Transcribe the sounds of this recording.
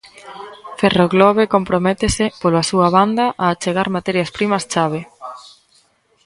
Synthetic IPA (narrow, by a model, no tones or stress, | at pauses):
feroɣlɔβ̞ekompɾomɛt̪esɪpolasuaβand̪ɐʔaːt͡ʃeɣaɾmat̪ɛɾjɐspɾimɐst͡ʃaβ̞e